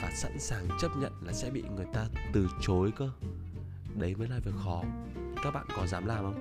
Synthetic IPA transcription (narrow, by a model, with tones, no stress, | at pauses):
vaː˨˩sa̰˧˥nsaː˨˩ŋt͡ɕə˦˥t̚ɲə̰˧˨nlaː˨˩sɛ̰˧˥ɓḭ˧˨ŋɨ˨˩əjt̪aː˧t̪ɨ˨˩t͡ɕo˨˦jkə˧ | ɗə˨˦jməː˨˦jlaː˨˩və˨˩əxɔ˨˦˨ | kaː˦˥k̚ɓa̰ː˧˨nkɔ˨˦nzaː˨˦mlaː˨˩mʔə˧wŋ͡m